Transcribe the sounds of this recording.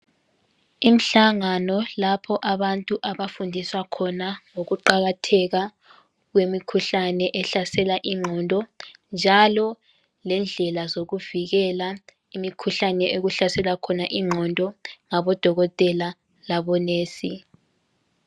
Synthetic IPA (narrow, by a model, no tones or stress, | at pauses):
im̩ɬaŋanɔlapʰɔʔaβantʼuʔaβafundʱiswakʰɔnaŋoɣuǃaɣatʰɛɣa | ɣwemikʰuɬanɛʔɛɬasɛlaʔiŋ͡ǃʱɔndʱɔnd͡ʒʱalɔ | lɛnd͡ɮʱɛlazoɣuviɣɛla | imikʰuɬanɛʔoɣuɬasɛlakʰɔnaʔiŋ͡ǃʱɔndʱɔŋaβɔd̥ʱɔɣɔtʼɛla | laβɔneːsi